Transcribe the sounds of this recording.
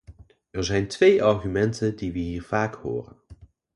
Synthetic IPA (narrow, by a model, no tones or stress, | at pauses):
ɛɹzɛjntʋejʔɑɹχymɛntəndiʋəɦiːɹv̥aːkho̰ːrə̰n